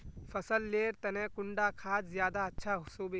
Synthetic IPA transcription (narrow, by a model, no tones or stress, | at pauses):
fʰɐsəlːeːɾt̪ɐnɛ̃ːkʊɳɖakʰaːd͡ʒzjaːd̪aɐtːʃʰaɦsoːbe